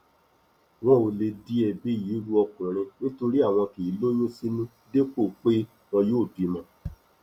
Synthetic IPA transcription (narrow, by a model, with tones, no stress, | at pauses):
w̃ɔ̃˦o˧le˧di˦ɛ˧˨bi˦˨ji˨˦ɾu˦ɔ˧kũ˨ɾ̃ĩ˧nĩ˦to˧ɾi˦a˦˨w̃ɔ̃˧ki˨˦lo˦jũ˦si˦nũ˦ | de˦k͡po˦˨k͡pe˦ | wɔ̃˧joː˦˨di˨˦mã˧